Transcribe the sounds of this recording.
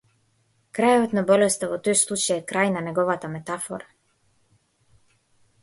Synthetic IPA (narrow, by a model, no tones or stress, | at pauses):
kɾajoʋet̪nabolest̪aʋot̪ojslˠut͡ʃajekɾaːjnaneɡoʋat̪amet̪afo̰ɾa